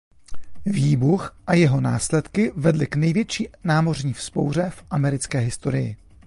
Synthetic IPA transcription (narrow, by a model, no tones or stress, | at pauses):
viːbuxʔajɛɦo̞naːslɛt̪kɪvɛdlɪknɛjvjɛt͡ʃiːnaːmo̞rɲiːfspo̞̰wr̝ɛfʔamɛɾɪt͡skɛːɦɪst̪o̞ɾɪjɪ̰